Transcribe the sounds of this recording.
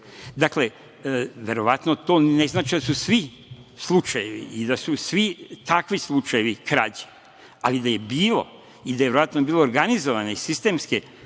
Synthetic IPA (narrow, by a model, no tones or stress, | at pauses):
d̪akle̞ | ʋe̞ɾo̞ʋat̪not̪o̞ːne̞znaːt͡ʃid̪asusʋi | slˠut͡ʃajeʋḭːd̪asusʋit̪akʋislˠut͡ʃaje̞ʋikɾad͡ʑe̥ | alid̪aje̞biːlo̰ | id̪ajeʋeɾoʋat̪nobiːlˠo̞oːɾɡanizo̞ʋaneisist̪e̞mske